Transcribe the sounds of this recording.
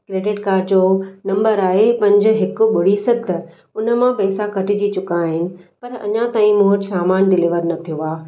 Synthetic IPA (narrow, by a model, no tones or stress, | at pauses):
kɾeːɖɪʈkaːɾɖd͡ʑoːnɐ̃mbəɾaːɦepɐ̃ɲd͡ʑ̆ɦɪkʊ̆ɓʊɽ̤isɐd̪ʱə | ʊnə̆mãpɛːsakɐʈɪd͡ʑit͡ɕʊkaːɦɪnɪ̆pɐɾɐ̰ɲãt̪aːĩmʊɦʊt͡ɕsaːmaːnɖɪliːʋəɾnɐt̪ʰijoaː